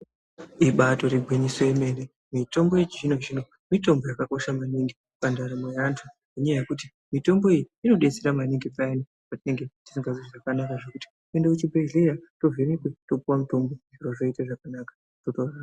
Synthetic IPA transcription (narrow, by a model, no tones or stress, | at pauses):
iɓato̞ɾiɡwiɲisoeme̞ne | mito̞mboit͡ʃiʐino̞ʐino̞ | mito̞mbo̞jakako̞ʃamaniŋɡi | pandaɾamejantʰu | ʐuɲajaje̞kuti | mito̞mbo̞ijiino̞ɗe̞t͡seɾamaniŋɡipaani | patine̞ŋɡe̞ti̥siŋɡaziʐiʐakanakaʐe̞kuti̥ | endeut͡ʃibʱeɮe̞ɾato̞vemikweto̞puwamuto̞mbo̞ʐiroʐo̞itaʐakanaːkḁ | totora